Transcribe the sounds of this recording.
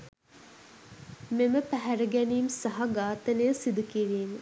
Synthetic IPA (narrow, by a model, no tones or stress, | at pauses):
meməpæɦæɾəɡæniːmsɐɦɐɡaːt̪ɐnejəsid̪ukiɾiːnu